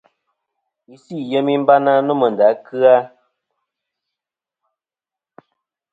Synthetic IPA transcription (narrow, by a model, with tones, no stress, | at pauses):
i˨si˦˨jə˦mi˦m̩˦ba˦na˦nu˦mə˨n˨da˨˦kɨ˦a˦